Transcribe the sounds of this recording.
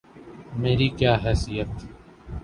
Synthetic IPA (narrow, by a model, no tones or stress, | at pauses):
meːɾiːkjaːɦɛːsijət̪